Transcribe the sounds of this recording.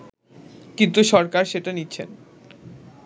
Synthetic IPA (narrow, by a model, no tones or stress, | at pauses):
kint̪uʃɔɾkaɾʃeʈanitːɕʰḛn